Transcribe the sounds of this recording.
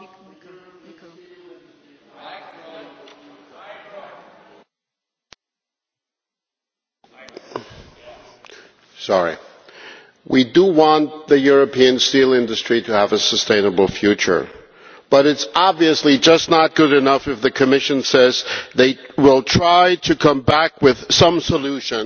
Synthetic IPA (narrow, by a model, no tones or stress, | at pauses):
sɑɹḭ | wʔidəwɑ̃nðɨjʊɹɨpʰiɨ̃nstilˠɪ̃ndɨstɹ̥iɾɨːvɨsəstʰẽɪ̃nəbl̩ˠfjʉt͡ʃə̰˞ | b̥ʌɾɨtsɑbviɨslid͡ʒʌstⁿnət̚ɡ̥ʊɾɨnʌfɨfðɨkʰɨmɪʃɨ̃nsɛzðeɪwɪlˠtʰɹ̥aɪɾɨkʰʌ̃mbækwɪð̥sʌ̃msəluʃɨ̃n